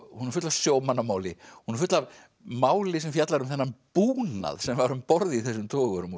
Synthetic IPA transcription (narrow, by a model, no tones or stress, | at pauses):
hunːɛɾfʏt̪lav̥sjoːwmanːamaːwlɪhunɪɾfʏt̪lav | maːwlɪsɛmfjat̪laɾʏmθɛnːampuːna̰ðsɛmvaɾʏmpɔɾðiθɛs̬ːʏmt̪ʰɔːɣʏɾʏm